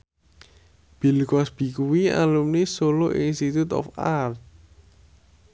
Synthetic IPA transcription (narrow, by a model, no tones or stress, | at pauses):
b̥i̤lkɔsb̥i̤kuwia̰lumnisoloʔinst̪it̪ut̪ɔ̰fart̪̚